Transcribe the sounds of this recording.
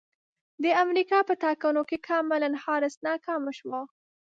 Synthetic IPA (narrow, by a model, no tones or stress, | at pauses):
d̪əamɾikɑpət̪ɑkanokekʰɑmɪlanhɑɾɪsnɑkɑmaʃwɑ